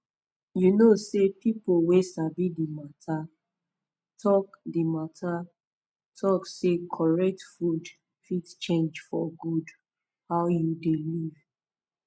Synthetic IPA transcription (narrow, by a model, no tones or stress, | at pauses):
junosepipowesabidimatʰa | tʰɔkdimatʰa | tʰɔksekʰɔɹɛk̚tfud | fidt͡ʃẽnd͡ʒfɔ̰ɡud | hawjudeliv